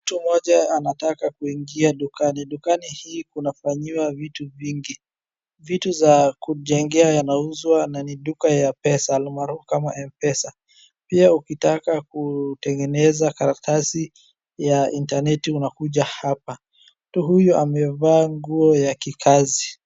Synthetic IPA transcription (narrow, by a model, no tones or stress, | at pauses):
m̩tumɔʄaanatakakuiŋɡiaɗukaniɗukanihiːkunafaɲiwavituviŋɡi | vituzakuʄɛŋɡɛajanauzwananiɗukajapɛsalmaɾufkamaʔɛmpɛsa | piaukitakakutɛŋɡɛnɛzakaɾatasi | jaintanɛtiunakuʄahapa | mtuɦujuʔamɛvaːŋɡuɔjakikʰazi